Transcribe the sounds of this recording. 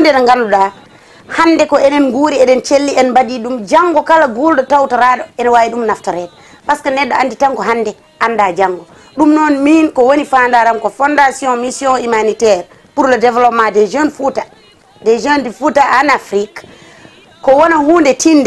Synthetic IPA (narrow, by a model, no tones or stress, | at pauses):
undɛnɛŋɡanɔɗa | hanːdɛkɔɛnɛnɡuːɾiɛɗɛnt͡ʃelːiɛnmbadiɗumd͡ʒaŋɡɔkalaɡulɗɔtawtaɾaɗɔɛnwawiɗumnaftɔɾɛt̚ | paskanɛɗːɔanditaŋkɔɦandɛ | ʔanːdad͡ʒaŋɡɔ | ɗumnɔnminkɔwonifandaɾamkɔfɔndasjɔ̃misjɔ̃imanitɛɾ | puɾlɔdɛvlɔpmadɛd͡ʒənfuta | dɛd͡ʒəndifutaʔanafɾik | kːɔwɔnahuːndɛtindɛ